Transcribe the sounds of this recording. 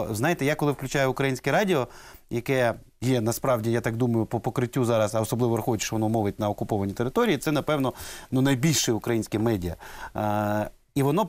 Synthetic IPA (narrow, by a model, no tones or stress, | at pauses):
znɑjɪt̪ɛjakɔlˠɪwklʲʊt͡ʃɑjʊʊkɾɐjinʲsʲkɛɾɑdʲɪɔjɐkɛ | jɛnɐspɾɑʋwdʲijat̪ɑkd̪umɐjʊpɔpɔkɾɪtʲːuzɑɾɐsɐɔsɔblˠɪʋɔɾɐxɔɪt̪ʲʃt͡ʃɔʋɔnɔmɔʋɪt̚ʲnɐɔkʊpɔʋɐnʲit̪eɾɪt̪ɔɾʲijit̪sɛnɐpɛwnɔnunɐjbʲilʲʃɪʊkɾɐjinʲsʲkɛmɛdʲiɐ | iʋɔnɔ